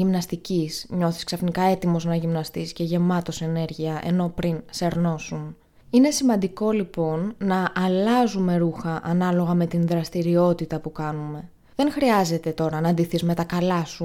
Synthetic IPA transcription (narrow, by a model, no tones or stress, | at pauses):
imnɐst̪icisɲo̞θisksɐfnikɐe̞t̪imo̞znɐʝimnɐst̪isce̞ʝe̞mɐt̪o̞se̞ne̞ɾʝiɐʔe̞̰no̞pɾinse̞ɾno̞sun | ine̞simɐnd̪iko̞lipo̞nːɐʔːlɐzume̞ɾuxɐʔɐnɐlo̞ɣɐme̞t̪inðɾɐst̪iɾio̞t̪it̪ɐpukɐnume̞ | ðe̞nxɾiɐze̞t̪e̞t̪o̞ɾɐnɐːnd̪iθizme̞t̪ɐkɐlɐsu